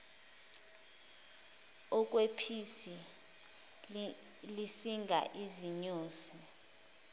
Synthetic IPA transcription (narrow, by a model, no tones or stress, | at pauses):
ɔk̬ʼwepʰisi | lisiŋɡʱa̰ʔiziɲuːsi